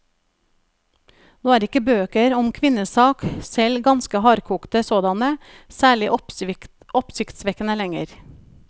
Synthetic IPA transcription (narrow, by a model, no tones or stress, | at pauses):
noːæːɾɪkəbøːkəɾɔmkʰʋɪnəsɑːksɛlɡɑnskəhɑːɾkʰuːkt̪əsoːd̪ɑnə | sæːɭɪʔ | ɔpsɪkt̪sʋɛkənəlɛŋəɾ